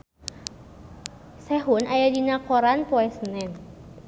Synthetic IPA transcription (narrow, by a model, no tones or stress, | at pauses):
sɛɦunajadinakɔɾanpɔɛsənɛn